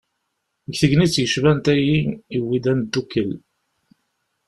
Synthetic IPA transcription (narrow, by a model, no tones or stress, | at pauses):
ɡθəʝnit͡sːjəʃvænt̪æjiiwid̪ænd̪ːukːəl